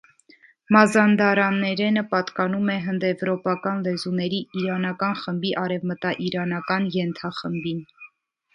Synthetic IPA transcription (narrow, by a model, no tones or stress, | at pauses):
mɑzɑnd̪ɑɾɑnːɛɾɛnəpɑt̪kɑnumɛɦənd̪ɛvɾɔpɑkɑnlɛzunɛɾiiɾɑnɑkɑnχəmbiʔɑɾɛvmət̪ɑʔiɾɑnɑkɑnjɛnt̪ʰɑχəmbin